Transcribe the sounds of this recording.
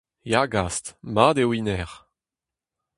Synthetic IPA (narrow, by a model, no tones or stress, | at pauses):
jaɡastmad̪ewinɛʁ